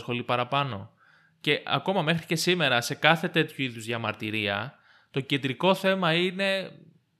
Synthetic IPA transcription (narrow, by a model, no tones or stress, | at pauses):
xo̞lipɐɾɐpɐno̞̰ | ce̞ʔɐ̰ko̞mɐme̞xɾice̞sime̞ɾɐse̞kɐθe̞t̪e̞t̪çuiðuzʝɐmɐɾt̪iɾiɐ | t̪o̞cied̪ɾiko̞θe̞mɐine̞